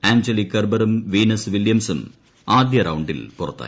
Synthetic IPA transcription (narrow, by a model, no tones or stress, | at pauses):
æːɲd͡ʑɐlikːɐrbɐɾumʋiːnɐsʋiljɐmsum | aːd̪jɐɾɐwuɳɖḭlpurɐ̰t̪ːa̰ː